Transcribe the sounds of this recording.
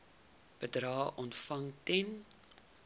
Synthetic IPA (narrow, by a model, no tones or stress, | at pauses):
b̥ədɾɑːʔɔntfɐŋtɛn